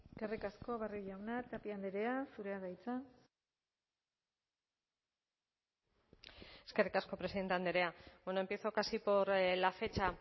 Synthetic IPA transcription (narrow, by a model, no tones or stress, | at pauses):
eskerikasko̞βariʝawnat̪apiand̪eɾeasuɾe̞aðajt͡sa | e̞ske̞rikasko̞pɾesiðe̞nt̪eand̪eɾe̞abeno̞e̞mpie̞θo̞kasipo̞ɾlafe̞t͡ʃa